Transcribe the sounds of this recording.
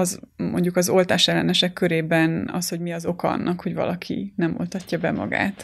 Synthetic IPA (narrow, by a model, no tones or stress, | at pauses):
ɒzmo̞̰ɲɟukɒzo̞lt̪aːʃɛlːɛnɛʃɛkːø̞ɾeːbɛnɒ̰sho̞ɟmiɒzo̞kɒɒ̰nːʔɒkho̞ɟvɒ̰lɒkʰḭnɛmo̰lt̪ɒcːɒbɛmɒ̰ɡa̰ːt̪